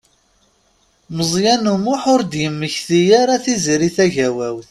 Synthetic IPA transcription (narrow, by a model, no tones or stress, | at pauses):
məzˤjænumʊħʊɾd̪jəmːəçθijaɾaθiziɾiθæʝæwæwθ